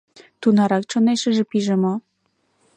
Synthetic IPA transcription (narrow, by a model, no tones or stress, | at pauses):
t̪unɑɾɑk̚t͡ʃɤ̆neʃɘ̆ʒĕpiʒĕmŏ